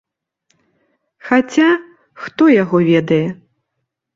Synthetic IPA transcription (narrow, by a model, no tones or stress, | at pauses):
xat͡sʲa | xt̪ɔjaɣɔvʲɛd̪ɐjɛ